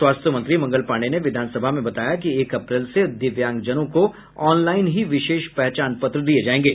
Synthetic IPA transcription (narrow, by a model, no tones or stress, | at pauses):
waːst̪ʰjəmɐ̃nt̪ɾimɐ̃ŋɡəlpaːɽ̃eneʋɪd̪ʱaːnsəbʱaɦmẽbɐt̪aːjakieːkɐpɾɛːlsed̪ɪʋjãːŋɡd͡ʒɐnõko | ɔːnlaːɪnɦiʋɪʃeːʃpɛɦt͡ʃaːnpɐt̪ɾəd̪ied͡ʒaːẽːŋɡeː